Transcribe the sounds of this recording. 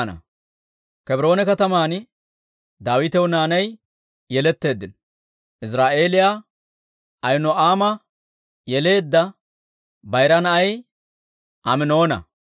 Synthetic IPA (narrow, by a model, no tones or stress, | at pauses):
nɐ̰ | kɛbɾo̞ːnɛkɐt̪ɐmaːn | d̪aːwɪt̪ɛwnaːnɐj | jɛlɛt̪ːe̞ːd̪ːɪnɔ | ʔɪsɾaːʔe̞ːlɪja | ʔɐjnɔaːmɐ | jɛle̞ːd̪ːɐ | bɐjɾɐnɐɐj | ʔɐmɪno̞ːnɐ̰